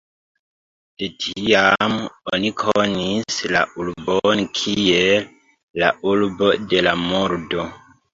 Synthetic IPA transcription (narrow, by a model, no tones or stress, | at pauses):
d̥etʰiamonikʰonisla̰ʔulbonkʰielː | a̰ulbo̞de̞lamoɾdo̞